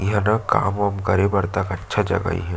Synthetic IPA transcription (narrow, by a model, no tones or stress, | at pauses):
jɐɦnaka̰ːmɐmkɐɾẽbɐɾt̪ɐkɐtːʃʰad͡ʒɐ̰ɡa̰ḭɦɛ̃